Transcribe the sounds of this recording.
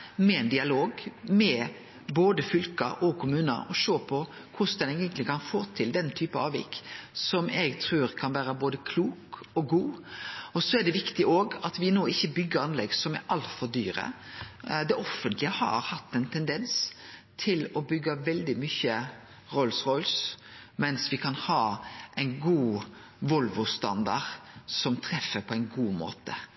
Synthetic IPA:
mɛɛnd̪ɪɑloːɡmɛ | boːd̪əfʏlkəɾʔɔkʰʊmʉːnə̰ɾɔʂoːpʰɔ | kʰʊsd̪ɛneːɡənt̪lɪkʰɑnfoːt̪ʰɪld̪ɛnt̪ʰyːpəɑːʋɪ̰kːsɔmɛɡt̪ʰɾʉːɾkʰɑnʋæːɾəboːd̪əkʰluːkɔɡuːɔsɔɛɖ̪ɛʋɪkt̪ɪʔoːɡɑt̪ʋɪnoːɪçːəbʏɡːəɾɑnlɛɡsɔmæ̰ɾʔɑlt̪fɔɾd̪yːɾə̰ | d̪ɛʔɔfːənt̪lɪəhɑ̰ɾhɑt̪ːɛɪnt̪ʰɛnd̪ɛnst̪ʰɪlɔbʏɡːɑʋɛld̪ɪmyçə | ɾɔlsʁɔlsmɛnsʋɪkʰɑnhɑːʔɛɪnɡuː | ʋɔlʋʊst̪ɑ̰nd̪ɑ̰ʁsɔmt̪ʰɾɛfːəpʰɔæɪnɡuːmo̰ːt̪ə

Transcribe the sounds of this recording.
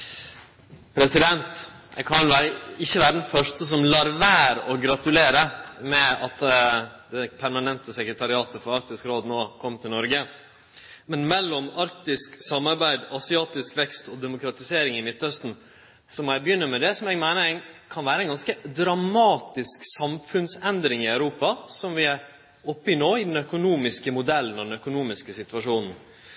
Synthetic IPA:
pʰɾɛsɪd̪ɛnt̪ɛ̰kʰɑnʋæːɾəɪçːəʋæːɾəd̪ɛnfœʂtəs̬ɔmlɑɾʋæːɾɔɡɾɑt̪ʉleːɾəmɛɑt̪d̪ɛpʰæɾmɑnɛnt̪əsɛkɾət̪ʰɑɾɪɑːt̪əfɔɾɑɾk̚t̪ɪskɾoːd̪noːkʰɔmːt̪ʰɪlnɔɾɡə | mɛnmɛlːɔmɑɾkt̪ɪsksɑmːɑɾbæɪd̪ɑsɪɑːt̪ɪskʋɛkst̪ɔd̪ɛmʊkɾɑt̪ɪseːɾɪŋɪmɪt̪ːœst̪n̩ | sɔmɔæɪbəjʏnːəɾmɛd̪ɛsɔmɛɡmæɪnəɛɪnkʰɑnʋæːɾəɛɪnɡɑnskəd̪ɾɑmɑːt̪ɪsksɑmfʉnsɛnd̪ɾɪŋɪœʉɾuːpɑsɔmʋɪæɾ | ɔpːɪnoːɪd̪ɛnœkʊnuːmɪskəmʊd̪ɛlːənɔd̪ɛnœkʊnuːmɪskəsɪt̪ʋɑʂuːnn̩

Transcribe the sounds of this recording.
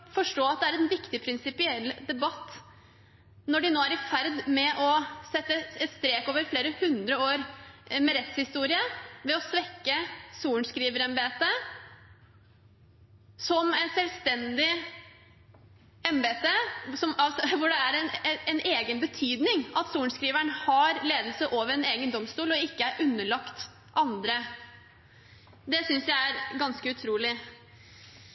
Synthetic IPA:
fɔʂʈoːɑt̪̚d̪ɛæɾɛnʋɪkt̪ɪpʰɾɪnsɪpɪɛlːd̪ɛbɑt̪ː | nɔɖɪnoːæɾɪfæɾd̪mɛʔɔsɛt̪ːəɛt̪st̪ɾeːkoːʋəɾfleːɾəhʉnd̪ɾəoːɾmɛɾɛt̪shɪst̪uːɾɪəʋɛɔsʋɛkːəsuːɳ̩skɾiːʋəɾɛmbeːt̪ə | sɔmɛnsɛlst̪ɛnd̪ɪ | ɛmbeːt̪əsɔmɑlsɔʋʊɖɛæɾɛnɛnʔeːɡənbət̪ʰyːd̪nɪŋɑt̪suːɳskɾiːʋæɳhɑɾleːd̪lsəʔoːʋəɾɛneːɡənd̪ɔmst̪uːlɔɪkːəæɾʔʉnːəɭɑkt̪ | ʔɑnd̪ɾə | d̪ɛsʏnsjæɪæɾɡɑnskəʉt̪ʰɾuːlɪ

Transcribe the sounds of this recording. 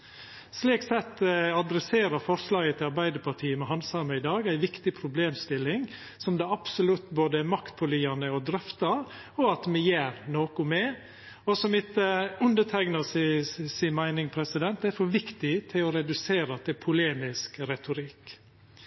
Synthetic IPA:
sliːksɛt̪ːɑd̪ɾɛseːɾɑɾfɔɾslɑːɡət̪ʰɪlɑɾbæɪd̪əpʰɑʈʰiːəmɛɦɑnsɑməɪd̪ɑːɡæɪʋɪkt̪ɪpʰɾʊbleːmst̪ɪlːɪŋ | sɔmd̪ɑɑb̥sʊlʉt̪ːboːd̪əæɾmɑkt̪̚pʰɔliːɑnəɔd̪ɾœft̪ɑɾ | ɔɑt̪mɛjeːɾnoːkʊmɛ | ɔsɔmɪt̪ːəʉnd̪əʈʰæɡnɑssɪnmæɪnɪŋpʰɾɛsɪd̪ɛnt̪æɾfɔʋɪkt̪ɪt̪ʰɪlɔɾɛd̪ʉseːɾɑt̪ʰɪlpʰʊleːmɪskɾɛt̪ʊɾɪk

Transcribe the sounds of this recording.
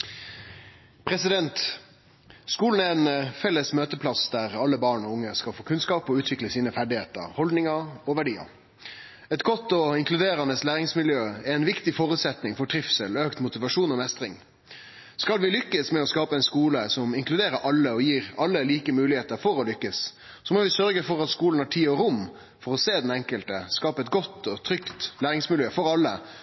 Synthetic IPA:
pʰɾɛsɪd̪ɛnt̪ | skuːln̩æɛɛnfɛlːəsmøːt̪əpʰlɑsd̪æʁɑlːəbɑːɳɔʊŋːəskɑlfoːkʰʉnskɑːpɔʉːt̪ʋɪkləsiːnəfæɖɪheːt̪ə̰ɾhɔld̪nɪŋɑɔʋæɖiːɑ̰ | ɛt̪ɡɔt̪ːɔɪŋklʉd̪eːɾɑnəslæːʁɪŋsmɪljøːɛɛɪnʋɪkt̪ɪfɔɾʉːt̪sɛt̪nɪŋfɔʈʰɾɪfsəløːkt̪mʊt̪ɪʋɑʂuːnɔmɛst̪ʁɪŋ | skɑlʋɪlʏkːəsmɛɔskɑːpəɛɪnskuːləsɔmɪŋklʉd̪eːɾəɾʔɑlːəɔjiːʁɑlːəliːkəmʉːlɪheːt̪əɾfɔɾɔlʏkːəs | sɔmɔʋɪsœɾɡəfɔɾɑt̪skuːln̩hæʈʰiːɔɾʊm | fɔɾɔseːd̪ɛnɛŋkəlt̪əskɑːpəɛt̪ɡɔt̪ːɔt̪ʰɾʏkt̪læːɾɪŋsmɪljøːfɔɾɑlːə̰

